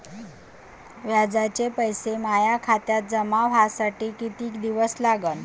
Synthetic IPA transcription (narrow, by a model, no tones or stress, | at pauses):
ʋjad͡zat͡ɕepəjsemajakʰat̪jat̪̚d͡zəmaʋɦasaʈiːkit̪iːkd̪iʋəslaɡən